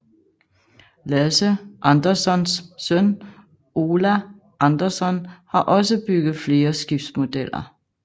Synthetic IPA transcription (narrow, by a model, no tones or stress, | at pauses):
læsəʔɑnd̥ɐsɒ̽nssœn | o̝ːlæ | ʔɑnd̥ɐsɒ̽nhɑ̈ʔɒ̽səb̥yɡ̥ð̞̩ˠfle̝ːɐsɡ̥ifd̥smo̝d̥el̰ɐ̰